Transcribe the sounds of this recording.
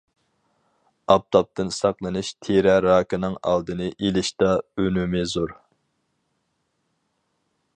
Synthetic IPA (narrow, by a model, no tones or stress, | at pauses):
ɑp̚t̪ʰɑp̚t̪ʰɨnsɑqlˠɨnɨʃt̪ʰeɾɛɾɑːkɪnɨŋɑ̰lˠd̪ɨnɨʔelɪʃt̪ɑønymɪzuɾ